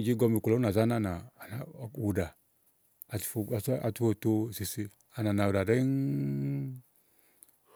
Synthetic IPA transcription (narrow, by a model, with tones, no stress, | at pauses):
d͡ʒi˦ɡɔ˧mi˨ku˨lɔ˨˦a˨za˦na˦˨naː˨na˨˦˨wu˨da˨ | a˨˦a˨tfo˦˧˨to˧˨si˨si˧ | a˨na˨na˨wu˨ɾa˨ɾe˦n